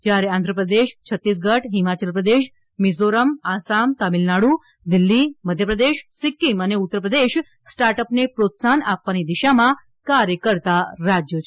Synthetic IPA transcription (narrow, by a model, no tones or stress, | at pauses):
d͡ʒjaɾeãnd̪ʱɾəpɾəd̪eʃt͡ʃʰət̪ːis̬ɡəʈɦimat͡ʃəlpɾəd̪eʃ | mizoɾəmasamt̪amilnaɽu | d̪ilːiməd̪ʱjəpɾəd̪eʃsikiməneut̪ːəpɾəd̪eʃ | sʈaɾʈəpnepɾot̪sanapʋanid̪iʃamã | kaɾjəkəɾt̪aɾad͡ʒjot͡ʃʰe